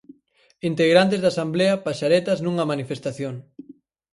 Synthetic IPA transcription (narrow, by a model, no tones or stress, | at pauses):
int̪eɣɾant̪̬ezðasambleɐpaʃaɾet̪ɐznuŋɐmanifest̪aθjoŋ